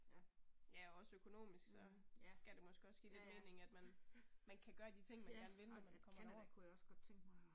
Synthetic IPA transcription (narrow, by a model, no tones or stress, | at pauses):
jæɒ̽ɒ̽søkʰo̝no̝̰ːmisɡ̥sɒ̽ɡ̥æd̥emɒ̽sɡ̥əɒ̽sːɡ̥e̝̰ːle̝d̥me̝̰ːne̝ŋæd̥mænmænkʰæɡ̥ɶːɐd̥it͡sʰe̝ŋ̰mænkæɐːnʋenənɒmænkʰɒ̽mɐn̰ækʰujæɒsɡ̥ɒd̥̚t͡sʰeŋɡ̥m